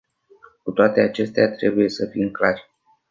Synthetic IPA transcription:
kut̪oat̪e̞at͡ʃe̞st̪eat̪ɾe̞buje̞səfimklarʲ

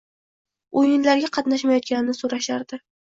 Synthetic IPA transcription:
ojɪnlaɾɡʲaqʰɑt̪naʃmajɒt̪̚kʲanɪnɪsoɾaʃaɾd̪̥ɪ

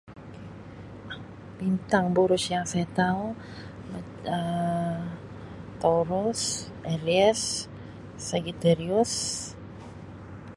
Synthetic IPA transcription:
b̥int̪aŋbuɾʊsjaŋsajat̪au | ma | ə | t̪oɾʊs | ɛɾiɛsː | aɡit̪ɛɾiʊs

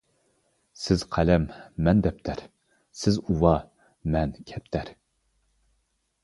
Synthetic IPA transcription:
sɪz̥qʰælɛmːɛnd̪ɛp̚t̪ʰæɾ | sɪzuwɑ | mɛnkʲʰɛp̚t̪ʰæɾ

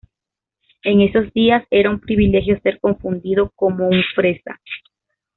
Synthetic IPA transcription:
e̞ŋe̞so̞zd̪iase̞ɾaumpɾiβile̞xjo̞se̞ɾko̞ɱfund̪iðo̞ko̞mo̞uɱfɾe̞sa̰

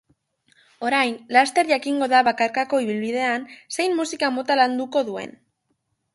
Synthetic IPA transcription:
o̞ɾajnlast̪e̞ɾʝakiŋɡo̞ðaβakaɾkako̞iβ̞ilβið̞e̞anse̞jmːusikamo̞t̪aland̪uko̞ðue̞̰n

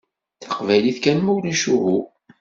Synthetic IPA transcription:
θɑ̥qvæjliθkænmuwniʃuɦu

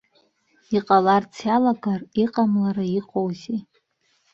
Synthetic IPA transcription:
iqʼalart͡sʰjalaɡariqʼamlaɾaiqʼowzi

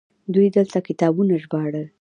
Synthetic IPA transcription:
d̪ujd̪əlt̪akɪt̪ɑbunaʒbɑɽə

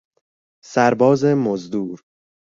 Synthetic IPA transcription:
sæɾbɒːzemozd̪uːɾ

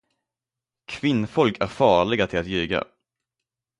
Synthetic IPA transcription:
kʰvɪnːfɔlkʰæɾfɑːɭɪɡat̪ʰɪlat̪jʉ̟ːɡa̰

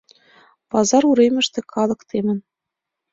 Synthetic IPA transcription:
pɑzɑɾuɾemʲɘ̆ʃt̪ɘ̆kʰɑlˠɤ̆kt̪ʰemʲɘ̆n

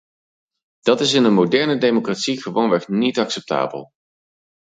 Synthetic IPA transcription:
d̥ɑtɪsɪnənmowdɛɹnədejmokratsiχəʋownʋɛχnitɑksɛp̚ta̰ːbə̰lˠ

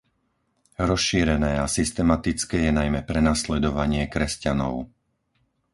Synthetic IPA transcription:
ɾɔsʃiːɾɛnɛːasist̪ɛmat̪it͡skɛːjɛnajmɛpɾɛnaslɛd̪ɔʋaɲɪɛkɾɛscanɔ̰ʊ

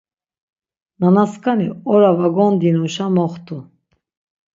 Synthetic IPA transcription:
nanaskʰʼaniɔɾavaɡɔnd̪inɔʃamɔχt̪ʰʼu

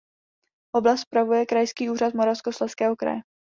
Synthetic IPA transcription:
ʔo̞blast̪spɾavujɛkɾajskiːuːɾat̪moɾafskoslɛskɛːɦokɾa̰jɛ

